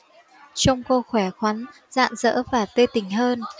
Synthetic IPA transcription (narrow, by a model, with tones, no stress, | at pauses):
t͡ɕɔ˧wŋ͡mko˧xwɛ˧˩xwa˨˦n | z̥a̰ː˧˨nzə̰ː˧˥vaː˨˩t̪ə˧t̪ï˧˩ŋ̟ɦəː˧n